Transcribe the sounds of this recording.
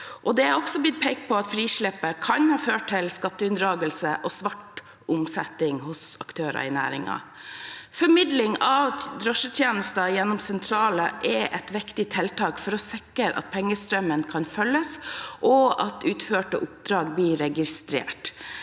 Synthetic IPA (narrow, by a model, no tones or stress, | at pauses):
ʔɔd̪ɛæɾɔksɔb̪ɪt̪̚pʰɛɪk̚pʰɔɑt̪fɾiːʂɭɛpːəkʰɑnhɑːføːʈ̚ʰːɪlskɑt̪ːəʉnd̪ɾɑːɡəlsəʔɔsʋɑʈ | ʊmsɛt̪ːɪŋhʊsɑ̰kt̪ʰøːɾɑ̰ɪnæ̰ːɾɪ̰ŋɑ̰ | fɔɾmɪd̪lɪŋɑʋd̪ɾœʂət̪ʰjeːnəst̪ɑjɛnːɔmsɛnt̪ʰɾɑːləʔɛʔɛt̪ʋɪkt̪ɪt̪ʰɛlt̪ʰɑːkfɔɾɔsɪkəɾɑ̰t̪̚pʰɛŋːəst̪ɾœmənkʰɑnfœlːəsʔɔɑ̰t̪ʉːt̪føːʈəʔʊp̚d̪ɾɑːɡbliːɾɛɡɪst̪ɾḛːʈ